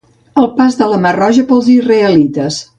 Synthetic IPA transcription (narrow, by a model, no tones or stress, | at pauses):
əlˠpazðələmərɔʒəpəlˠzizrəəlit̪əs